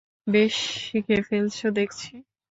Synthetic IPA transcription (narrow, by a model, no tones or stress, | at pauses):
beʃikefelt͡ɕod̪ekʰt͡ɕʰi